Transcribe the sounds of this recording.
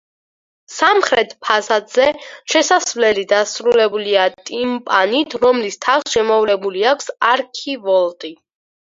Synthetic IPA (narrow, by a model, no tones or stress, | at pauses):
samχɾɛt̪ʰpʰazad̪z̥ɛʃɛsasvlɛlid̪asɾulɛbuliat̪ʼimpʼanit̪ʰɾɔmlist̪ʰaχsʃɛmɔvlɛbuliakʷʰsaɾkʰivɔlˠt̪ʼi